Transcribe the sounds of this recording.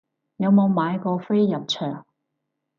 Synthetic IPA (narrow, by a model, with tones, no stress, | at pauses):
jɐ˨˧wmo˨˧wmaː˨˧jkɔː˧fe˥jːɐ˨p̚t͡ʃʰœː˨˩ŋ